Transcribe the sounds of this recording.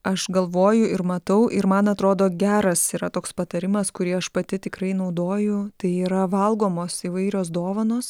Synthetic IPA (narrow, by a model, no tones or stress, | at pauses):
ɐʃɡɐlˠʋoːjʊɪɾmɐt̪ɐʊʔɪɾmɐnɐt̪ɾoːd̪oːɡʲæːɾɐsiːɾɐt̪oːkspɐt̪ɐɾʲɪmɐskʊɾʲiɛɐʃpɐt̪ʲɪt̪ʲɪkɾɐɪnɐʊd̪oːjʊt̪ɐɪiːɾɐʋɐlˠɡoːmoːsiːʋɐɪɾʲoːs̬d̪oːʋɐnoːs